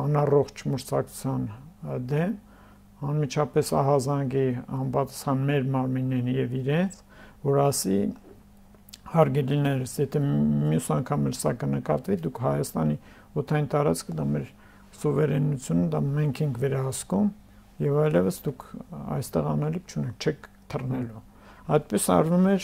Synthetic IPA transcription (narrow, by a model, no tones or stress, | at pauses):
ɑnɑrɔχt͡ʃʰməɾt͡sʰɑkʰu̥t͡sʰjɑnd̪ɛm | ɑnmit͡ʃʰɑpɛsɑ̰ɦɑzɑŋɡiɑmpɑt̪ɑ̥sχɑnmɛɾmɑɾminːɛɾnjɛviɾɛnt͡sʰ | vɔɾɑsi | hɑɾɡɛɾinɛɾəsjɛt̪ʰɛmjusɑŋkʰɑmɛlsɑkənəkɑ̰t̪vid̪ukʰhɑjɑst̪ɑni | ɔt̪ʰɑjint̪ɑɾɑt͡skʰəd̪ɑmɛɾ | sɔvɛɾɛnut͡sʰjunəd̪ɑmɛŋkʰɛŋkʰvɛɾɑɦɑskum | jɛvɑjlɛvəsd̪ukʰɑ̰jst̪ɛʁɑ̰nɛlik̚ʰt͡ʃʰunɛk̚t͡ʃʰɛkʰ | t̪ʰərnɛlu | ɑjt̪̚pɛsɑ̰ɾvumɛɾ